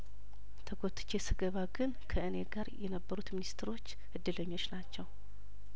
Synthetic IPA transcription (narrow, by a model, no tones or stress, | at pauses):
t̪ʰəɡot̪ʰʼːɨ̥t͡ʃesɨɡəβaɡɨnkʰəʔɨneɡaɾjɛnəbːəɾut̪minist̪ʰɾo̞t͡ʃː | ʔɨd̪ːɨləɲːo̞t͡ʃnat͡ʃːɛw